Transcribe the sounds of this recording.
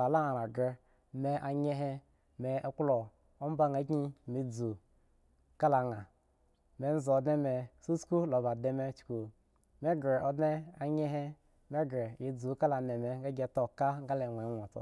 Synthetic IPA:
a˨la˦a˨ɾa˨ɡe˧ | me˨ʔa˨ɲe˦ɦe˦ | me˨˦klo˨ | o˦m̩˦ba˦ŋa˨˦ɡɲi˦˨me˨d͡zu˨ | ka˦la˨ŋa˨ | me˦n̩˦zo˨˦dne˦me˨su˦sku˦lo˨ba˨de˦me˧t͡ʃku˨ | me˦ɡɾe˨o˦dne˦a˨ɲe˦ɦe˦ | me˦ɡɾe˨je˨d͡zu˨˦ka˦la˨ne˨me˨ɡa˦ɡʲe˨to˦ka˦ŋ˦ɡa˦le˨ŋʷ˨e˨˦nʷ˨a˨t͡so̰˨

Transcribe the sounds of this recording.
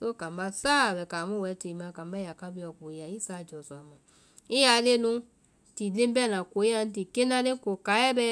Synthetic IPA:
so˦kã˨˦ba˧saː˦˨bɛ˨ka˨mũ˦wɛ˨˦te˨˦mã˧˨ka˨mba˦˨a˨ka˦bi˦˧˦ɔ˨ko˨i˦ja˨i˦sa˨d͡ʒɔ˨sɔ˨a˨mã˨ | ĩ˦a˧˨˦le˦nũ˧ | ti˨lẽ˦mbɛ˦˨nã˨ko˨˦i˦a˧n̩˦t̬i˨ke˦nã˧˦lẽ˦ko˨ka˨˦ɛ˦bɛ˧

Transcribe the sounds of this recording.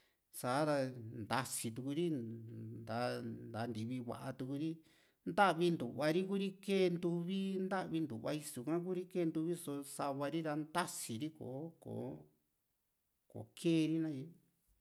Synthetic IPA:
sa˨˦ɾa˧nd̪a˧si˧t̪̬u˧ku˧ɾi˦nd̪a˨˧˦nd̪a˨˦˧nd̪i˧βi˧βa̰˨ʔa˧t̪u˧ku˧ɾi˦ | nd̪a˦ʔβi˧nd̪u˨βa˧ɾi˦ku˦ɾi˦keː˦˧nd̪u˧βi˦nd̪a˦ʔβi˧nd̪u˨βa̰˧i˧su˧˨kã˦k̬u˦ɾi˦ke˦˧nd̪u˧βi˦so˧sa˧βa˧ɾi˦ɾa˧nd̪a˦si˨ɾi˦ko̰ː˨ko̰˨˦ | ko̰˨kʰeː˦˧ɾi˦nã˦ji˧

